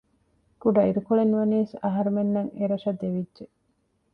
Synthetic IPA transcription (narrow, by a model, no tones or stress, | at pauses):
kuɖɐiɾukuɭenuʋɐniːsɐɦɐɾumenːɐŋeɾɐʃɐd̪eʋidʒe